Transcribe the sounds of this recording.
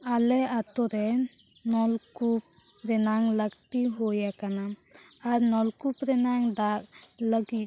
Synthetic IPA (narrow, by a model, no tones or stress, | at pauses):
alɛat̪ɔɾɛ | nɔlkup̚ | ɾɛnaŋləɡt̪iɦojakanaː | ɾnɔlkupɾɛnaŋd̪aʔ̚ləɡit̪̚